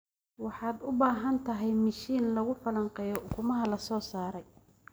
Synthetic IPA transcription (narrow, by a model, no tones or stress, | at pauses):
wɑħɑːd̪ʊbaːɦɐnt̪ʰɐɦɛjmɐʃiːnlɐɣʊfɐlɐɴqɛjɔʔʊkʰʊmɐɦɐlɐsɔːsaːɾɛj